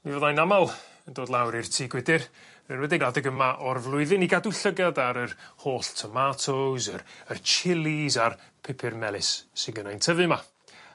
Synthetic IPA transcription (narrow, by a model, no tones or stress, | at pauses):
mivɛðajnamalˠəndoːdlˠawɾɪrtʰiːɡwɪdɪr | nənwɛdɪɡladəɡəmaʔɔrvlˠʊɨðɪniɡadʊɬəɡadaɾərhoːɬtʰɔmatʰozərərt͡ʃʰɪlˠizarpʰɪpʰɪrmɛlˠɪsːɪnɡənajntʰəvɨma